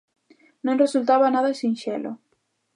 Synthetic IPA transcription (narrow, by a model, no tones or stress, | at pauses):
nõnresult̪aβanaðasĩnʃelo